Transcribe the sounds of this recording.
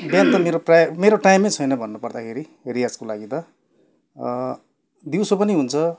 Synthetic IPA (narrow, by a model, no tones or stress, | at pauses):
bjant̪ʌmeɾoprajmeɾoʈajmːejt͡sʰʌjnʌbʱʌnːupʌrd̪akʰeɾiɦeɾijad͡zkolaɡit̪ʌ | d̪iwsopʌniɦunt͡sʰʌ